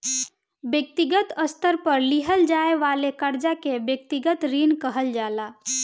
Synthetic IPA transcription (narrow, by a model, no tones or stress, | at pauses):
bjək̚t̪iɡət̪əst̪əɾpəɾliɦəld͡ʒaeʋalekəɾd͡ʒakebjək̚t̪iɡət̪ɾinkəɦəld͡ʒala